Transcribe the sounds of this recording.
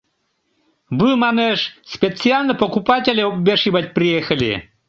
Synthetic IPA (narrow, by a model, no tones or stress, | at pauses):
bɨmaneʃspʲet͡sɨalʲnəpokupat̪ʲelʲeopbʲeʃibat̪̚ʲpɾʲijexəlʲḭ